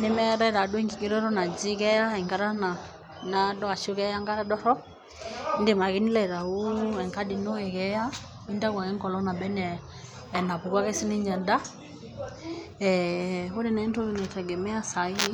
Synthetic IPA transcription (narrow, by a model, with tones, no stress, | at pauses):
ne˦mɛ˦ɾɛ˦ɾa˨dwɛ˦ŋɡi˨ki˦ɾɔ˦ɾɔ˦na˨d͡ʒi˦kɛ˦ja˦ɛ˨ŋka˦ɾa˦na˨ | nadɔ˦a˨ʃo˦kɛ˦ja˦ŋɡa˦ɾa˦dɔ˦ɾɔ˦ | nde˨ma˨ɣi˦ni˦lɛ˨ɾa˨u˦ɛ˨ŋka˦di˨no˦ɛ˨ɣɛ˦ja˦ | i˦nda˦ɣwa˨ɣɛ˦ŋkɔ˨lɔ˦na˨bɛ˦nɛː˨ | na˨pu˨kwa˦ɣɛ˦si˦ni˦ɲa˨da˦ | ɛo˦ɾe˦˨nɛ˦nto˦inɛ˨tɛ˨ɡɛ˨mɛ˦a˦sa˨i˦i˦